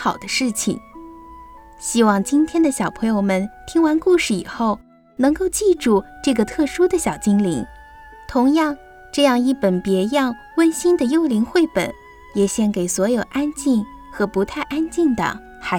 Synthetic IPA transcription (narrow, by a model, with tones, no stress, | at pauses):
xɑ˨˩ʊd̪ə˦ʂɻ̩˥˩t͡ɕʰḭ˩ŋ | ɕi˥wɑ˥˩ŋt͡ɕi˥nt̪ʰjɛ˥nd̪ə˨ɕjɑ˨˩ʊpʰɤ˧˥ŋjo˥˧ʊmə˨˩nt̪ʰi˥ŋwa˧˥nku˥˧ʂɻ̩˥˩i˨˩xo˥˩ʊ | nɤ˧˥ŋko˥˧ʊt͡ɕi˥˧ʈ͡ʂu˥˩ʈ͡ʂɤ˥˩ɡə˩t̪ʰɤ˥˩ʂu˥d̪ə˨ɕjɑ˨˩ʊt͡ɕi˥ŋlḭ˧˥ŋ | t̪ʰʊ˧˥ŋjɑ˥˧ŋ | ʈ͡ʂɤ˥˧jɑ˥˧ŋi˥˩pə˨˩npjɛ˧˥jɑ˥˧ŋ | wə˥nɕi˥nd̪ə˨jo˥ʊli˧˥ŋxwe˥˩ɪpə̰˨˩˦n | jɛ˨˩ɕjɛ˥nke˨˩ɪswɔ˧˥jo˨˩ʊʔa˥nt͡ɕi˥˩n | xɤ˧˥pu˧˥t̪ʰa˥˩ɪʔa˥nt͡ɕi˥˩nd̪ə̰˩ | xa˧˥